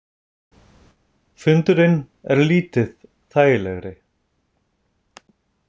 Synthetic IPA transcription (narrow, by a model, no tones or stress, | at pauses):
fʏnt̪ʏɾɪnː | ɛɾliːt̪ɪð | θaːjɪlɛɣɾɪ